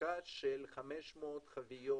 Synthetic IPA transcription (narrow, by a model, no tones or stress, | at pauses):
aʃelχameʃmot̪χavijo